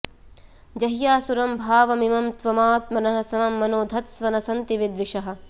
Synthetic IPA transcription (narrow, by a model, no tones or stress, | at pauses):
d͡ʒɐɦjaːsuɾɐmbʱaːʋɐmimɐmt̪ʋɐmaːt̪mɐnɐɦɐ̆sɐmɐmːɐnoːd̪ʱɐt̪sʋɐnɐsɐnt̪iʋid̪ʋiʃɐɦɐ̆